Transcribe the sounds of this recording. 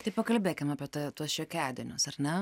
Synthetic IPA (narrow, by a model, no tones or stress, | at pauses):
t̪ɐɪpɐkɐlʲbʲeːkʲɪmɑːpʲiɛt̪ːt̪uɔsʃʲɛːkʲæːd̪ʲɪnʲʊsɐɾnʲɛ